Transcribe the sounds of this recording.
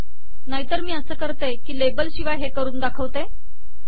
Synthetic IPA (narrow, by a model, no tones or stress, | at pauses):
naɦit̪əɾmiːəsəːkəɾt̪ekiːlebəlɕiʋajɦekəɾuːnd̪akʰəʋt̪e